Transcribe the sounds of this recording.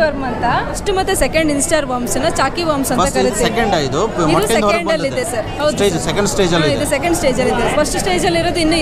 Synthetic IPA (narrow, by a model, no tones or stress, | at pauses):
ʋɐɾmɐnt̪ɐɐsʈmɐt̪ːesekɐɳɖinsʈaːɾʋaːɾmsinːɐt͡ʃaːkiʋaːɾmsɐnɐkɐɾit̪iiekeɳɖajid̪uimɔkɐsɐɳɐlːid̪esɐɾɦɐwd̪ed͡ʒɐsekɐɳɖsʈeːd͡ʒɐliid̪usekɐɳɖsʈeːd͡ʒɐlid̪epʰɐsʈsʈeːd͡ʒɐlːiɾoːd̪uinːu